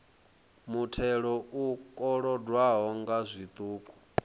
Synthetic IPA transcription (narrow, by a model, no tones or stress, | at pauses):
mutʰɛɺɔʔukʼɔɺɔdwaɦɔŋɡazʷit̪ʼuːkʼu̥